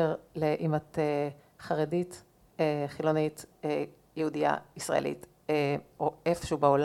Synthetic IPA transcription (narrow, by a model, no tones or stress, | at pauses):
eʁleʔimate | χaʁedit | eχilonite | jɛhudia̰isʁa̰ḛlḭt | eoefʃeubeol